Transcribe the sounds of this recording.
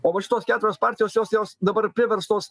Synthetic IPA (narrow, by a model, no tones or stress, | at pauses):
oːmɐʃʲɪt̪oːskʲæːt̪ʊɾʲoːspɑɾʲt̪ʲɪjoːsjoːsjoːsd̪ɐbɐɾpʲɾʲɪʋʲɛɾst̪oːs